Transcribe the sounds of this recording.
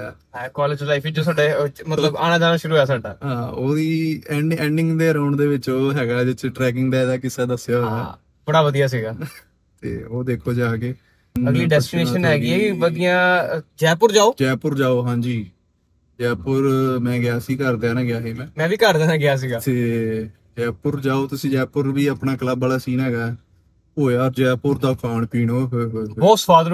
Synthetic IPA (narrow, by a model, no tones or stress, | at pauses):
ɛkɔːleːd͡ʒlaifʰid͡ʒoːsaːɖeːmət̪ləbaːnaːd͡ʒaːnaːʃʊɾuːaːsaːɖa̰ːɦãːoːiːɛːɳɖɛ̃ːɳɖɪ̃ŋɡd̪eːəɾaːʊɳd̪eːʋɪt͡ʃoːɦɛːɡaːd͡ʒɪt͡ʃʈɾɛːk̬ɪ̃ŋɡd̪aːd̪aːkɪsaːd̪əsɪjaːɦo̰ːaː | bəɽaːʋəd̪ijaːs̬iːɡaː | t̪ḛːoːd̪eːkʰoːd͡ʒaːkeː | əɡliːɖɛːsʈɪneːʃənɦɛːɡɪɛːʋəd̪ijãːd͡ʒɛːpʊɾd͡ʒaːoːd͡ʒɛːpʊɾd͡ʒaːoːɦãːd͡ʒiː | d͡ʒɛːpʊɾmɛ̃ːɡɪaːsiːkəɾd̪ɛːnãːɡɪaːɦiːmɛ̃ːmɛ̃ːʋiːkəɾd̪ɛːnãːɡɪaːs̬iːɡaːt̪eː | d͡ʒɛːpʊɾd͡ʒaːoːt̪ʊsĩːd͡ʒɛːpʊɾʋiːaːpnaːkləbaːlaːsiːnɦɛːɡaːɛ | ɦoːjaːɔːɾd͡ʒɛːpʊɾd̪aːkʰaːɳpiːnoːɦɦoːsʋaːd̪ɾ